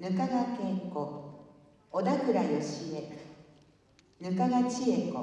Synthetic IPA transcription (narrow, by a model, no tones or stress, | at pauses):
nɯ̟kaɡakẽko | od̪akɯ̟ɾajoɕie | nɯ̟kaɡat͡ɕieko